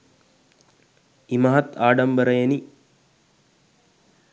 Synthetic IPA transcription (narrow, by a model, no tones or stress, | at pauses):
imɐɦɐt̪aːɖɐmbəɾɐjeni